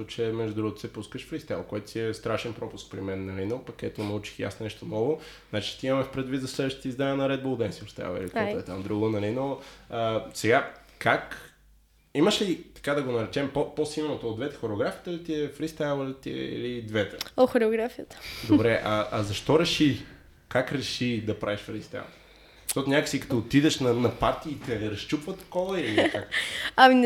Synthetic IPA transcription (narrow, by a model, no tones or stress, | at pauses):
ut͡ʃɛmɛʒd̪ud̪ɾuɡot̪o̥sɛpuskəʃfɾist̪ajlˠkoɛt̪o̥t̪ʲiɛst̪ɾaʃɛnpɾɔpʊsk̚pɾimɛnːɐlinopɐkːɛɛt̪onɐut͡ʃi̥xja̰snonɛʃt̪onɔvo | znat͡ʃi̥t̪iimɐmɛfpɾɛd̪vit̪zɐslɛd̪vəʃt̪ət̪əizd̪anʲiənɐɾɛd̪̚bolˠd̪ɛnsifɾst̪a̰j̰lˠɛ̰likt̪ɛɛt̪amd̪ɾuɡonɐlinoəsɛɡa | kak | iməʃlit̪ɐ̥kad̪ɐɡonɐɾɛt͡ʃɛmpoposilˠnot̪oːd̪vɛt̪ɛ̥xoɾɛoɡɾafit̪əlit̪iɛfɾist̪ajlˠlit̪ḭɛ̰ḭlid̪vɛt̪ɛoxoɾɛoɡɾafijət̪ə̥d̪obɾɛʔɐʔɐzɐʃt̪ɔɾɛʃi | kakɾɛʃid̪ɐpɾaviʃfɾist̪a̰jl̥ˠ | ʃtɔt̪nʲakə̥sikɐ̥t̪ɔot̪id̪ɛʃnɐnɐpaɾt̪iːt̪ɛɾɐst͡ʃupvət̪ɐ̥kɔvɐilikaɐmin